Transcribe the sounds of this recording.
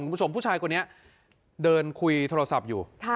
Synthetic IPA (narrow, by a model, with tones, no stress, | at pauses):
ku˧˦˥t͡ɕʰo˧mpʰuː˥˩t͡ɕʰaː˧jkʰnːi˦˥ɐ | dɤː˧nkʰu˧jt̪ʰoː˧a˧sa˨˩p̚juː˨˩